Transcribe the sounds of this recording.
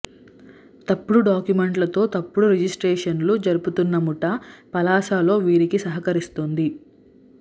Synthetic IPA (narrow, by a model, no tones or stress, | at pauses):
t̪ɐpːuɽuɖaːkjume̞ɳʈlɐt̪o̞ːt̪ɐpːuɽuɾed͡ʒisʈɾɛːʂɐnlud͡ʒɐɾuput̪unːɐmuʈɐpɐlaːʃaːlo̞ːʋiːɾikisɐɦɐkɐɾist̪ond̪i